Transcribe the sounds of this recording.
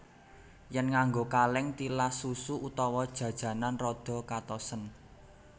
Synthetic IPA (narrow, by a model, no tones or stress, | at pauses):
jɛnŋaŋɡokalɪŋt̪ilasusuʔut̪ɔwɔd̥ʒ̥ä̤d̥ʒ̥ä̤nanrɔd̪̥ɔ̤kat̪ɔsən